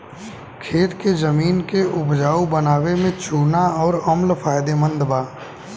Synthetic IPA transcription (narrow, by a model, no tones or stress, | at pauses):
kʰeːt̪kezəmiːnkeʔʊpd͡ʒaːubənaːwemẽt͡ʃuːnaɔːɾəmlfaːjd̪emə̃nd̪baː